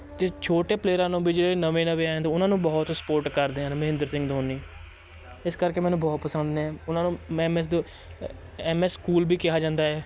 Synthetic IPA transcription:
t̪eːt͡ʃʰoːʈeːpleːɾãːnõːbiːd͡ʒeːɽːeːnəʋẽːnəʋeːãːd̪ːʊnãːnũːbɔːt̪sə̥poːɾʈkəɾd̪eːɦãːnməɦɪ̃nd̪əɾsɪ̃ŋɡd̪oːnːiː | ɪskəɾkeːmɛːnũːbɔːt̪pəsə̃nd̪nẽːʊnaːnũːɛ̃mɛsd̪ | ɛːmɛːskuːlbiːkɪɦaːd͡ʒãːnd̪aːɦɛː

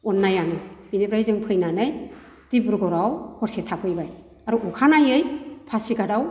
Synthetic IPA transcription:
ɔnːajanɯjbinebɾajzɯŋpʰɯjnanɯj | d̥ibuɾɡɔɾawhɔɾsetʰakʰɯjbaj | aɾuʔukʰanajɯjpʰasiɡadaw

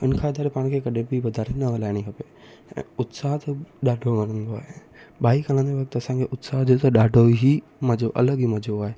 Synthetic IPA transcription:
ʊnkʰãɪd̪ʱaːɾepaːɽ̃kʰekɐɗẽbɪʋɐd̪ʱaːɾenɐʋɐlaːɪɽ̃iɦɐpe | ɛ̰̃ːʊt̪saːɦt̪ɐɗaːɖʱomɐɾə̃nd̪oaːɦe | ɓaːikɐlə̃nd͡ʑeʋɐk̚t̪ɐsãŋkʰeʔʊt̪saːɦd͡ʑot̪ɐɗaːɖʱoɦi | mɐd͡ʑoʔɐ̰ləɠimɐd͡ʑʱoaːɦe

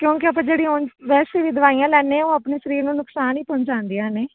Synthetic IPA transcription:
kjõːkɪəpãːd͡ʒeːɽiːɦoːnʋɛːseːʋiːd̪əʋaːijãːlɛːneãːõːəpneːʃəɾiːɾnũːnʊksaːniːpoɲd͡ʒãːnd̪iːãːneː

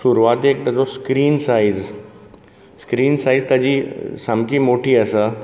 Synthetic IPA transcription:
ʃuɾuʋaːt̪eːk̚t̪ɐd͡zoskɾiːnsaiz | skɾiːnsaːizt̪ɐd͡ʑisamkimoʈʰiɐsa

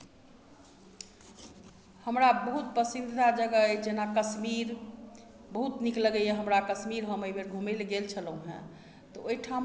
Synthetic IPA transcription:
həmɾabəɦut̪̚pəsid̪d̪ʱt̪ad͡ʒəɡəəjd͡ʒenakəsmiɾ | bəɦut̪nikləɡəjeɦəmɾakəsmiɾɦəməjbʱeɾɡʱumelɡelt͡ʃʰəlũɦɛ̰̃ | t̪ɔoiʈʰam

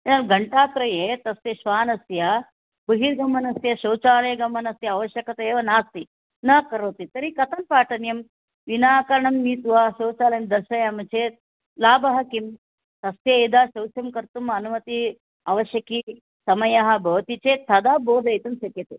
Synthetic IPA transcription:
ɐlɡɐɳʈaːt̪ɾɐjeːt̪ɐst̪jɐʃʋaːnɐsjɐ | bɨɦiɾɡɐmːɐnɐsjɐʃɐwt͡ʃaːlɐːɡɐmːɐnɐsjɐɐʋɐʃjɐkɐt̪ɐeːʋɐnaːst̪i | nɐkɐɾoːt̪it̪ɐɾikɐt̪ʰɐnpaːʈɐnjɐm | ʋinaːkɐɾɐɳɐmniːt̪uɦɐʃɐːwt͡ʃaːlɐjmd̪ɐʃɐjamɐt͡ʃeːt̪̚ | laːbɐɦɐkim | t̪ɐst̪jɐid̪aːʃɐwsjɐmkɐɾt̪umɐnumɐt̪i | ɐʋɐʃjɐki | sɐmɐjɐɦɐ̆bʱɐʋɐt̪it͡ʃeːt̪ʰːɐd̪aːboːd̪ɐjt̪ɐmsɐt̪jɐt̪e

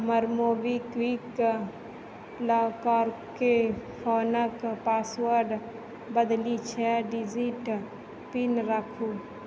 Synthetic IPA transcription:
məɾmoːbikʋik | laːkaːɾ | kepʰɔːnəkpaːswəɾɖ | bəd̪lit͡ʃʰɛɖid͡ʒiʈ | pinɾəkʰu

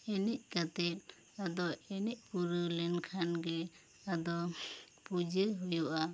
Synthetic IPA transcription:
ɛnic̚kat̪ɛt̪̚ | ad̪ɔɛnic̚kuɾulɛnkʰanɡɛ | ad̪ɔ | pud͡ʒiɦujuʔa

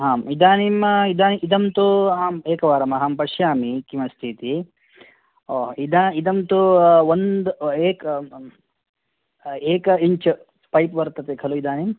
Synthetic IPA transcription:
ɦaːmid̪aːnimid̪aːniʔid̪ɐmt̪uɦaːmeːkɐʋaːɾɐmɐɦaːmpɐʂjaːmikimɐst̪ʰit̪i | oːɦid̪aid̪ɐmt̪uʋond̪eːk | eːkɐiɲt͡ʃɐ | pɐjpʋɐɾt̪ɐt̪ekʰɐluid̪aːnim

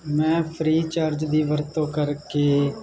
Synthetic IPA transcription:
mɛ̃ːpʰɾiːt͡ʃaːɾd͡ʒd̪iːʋəɾt̪õːkəɾkeː

